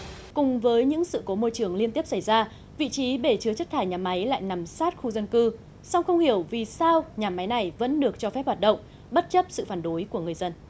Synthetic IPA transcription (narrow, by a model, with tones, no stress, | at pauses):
kʊ˨˩ŋ͡mvəː˨˦jɲɨ̰˧˥ŋsɨ̰˧˨ko˨˦mo˧jt͡ɕɨ˨˩əŋli˧ənt̪i˦˥əp̚sa˧˩jzaː˧ | vḭ˧˨t͡ɕi˨˦ɓe˧˩t͡ɕɨ˨˦t͡ɕə˦˥t̚t̪ʰaː˧˩jɲaː˨˩ma˨˦jla̰ː˧˨jna˨˩msaː˦˥t̚xu˧zə˧nkɨ˧ | sa˧wŋ͡mxə˧wŋ͡mhi˧˩əwvi˨˩saː˧wɲaː˨˩ma˨˦jna˨˩jvə̰˧˥nɗɨ˨˩ək̚t͡ɕɔ˧fɛ˦˥p̚haː˨˩t̚ɗə̰˧˨wŋ͡m | ɓə˦˥t̚t͡ɕə˦˥p̚sɨ̰˧˨faː˧˩nɗo˨˦jku˧˩əŋɨ˨˩əjzə˧n